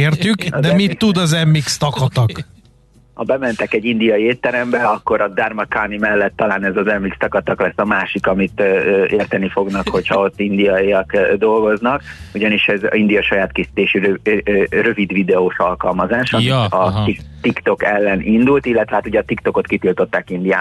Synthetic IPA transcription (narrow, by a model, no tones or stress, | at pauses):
eːrt̪ykd̪ɛmit̪ːud̪ɒzɛmːikst̪ɒkɒt̪ɒk | hɒbɛmɛnt̪ɛkɛɟːind̪ijɒjieːt̪ːɛɾɛmbɛɒkːo̞ɾɒd̪armɒkanimɛlːɛt̪ːɒlaːnɛzɒzɛmːikst̪ɒkɒt̪ɒklɛsːɒmaːʃikɒmit̪ːeːrt̪ɛnːifo̞ɡnɒkho̞chɒo̞t̪ːind̪ijɒiɒkd̪o̞lɡo̞znɒkuɟɒniʃɛz̰ind̪ijɒʃɒjaːt̪kisi̥t̪eːʃirørø̞vid̪ʋid̪ɛoːʃɒlkɒlmɒzaːʃɒɒit̪ikt̪o̞kɛlːɛnʔind̪ult̪ilːɛt̪ʋɛhaːt̪uɟɛɒt̪ikt̪o̞ko̞t̪kit̪ilt̪o̞t̪ːaːkind̪ija̰ː